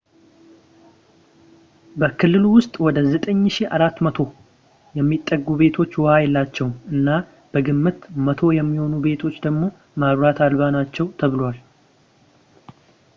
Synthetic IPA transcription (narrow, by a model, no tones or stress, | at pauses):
bəkʰɨlːɨluwʊst̪ʼwɔd̪əzət̪ʼəɲːʃiʔaɾat̪ːmət̪ʰo̞ | jɛmːit̪ʼːəɡːube̞t̪ʰo̞t͡ʃːwɔhajɛlːat͡ʃːɛwmɨnːa | b̥əɡɨmːɨt̪mət̪ʰo̞jɛmːiho̞nube̞t̪ʰo̞t͡ʃːd̪əɡmo̞ | maβɾat̪ʰalβanat͡ʃːɛwt̪ʰəβɨlwal